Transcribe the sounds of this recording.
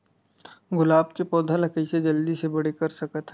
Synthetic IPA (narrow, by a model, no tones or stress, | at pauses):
ɡʊlaːbkepɔːd̪ʱalɐkəised͡ʒɐld̪isebɐɽekɐɾsɐkət̪ʰ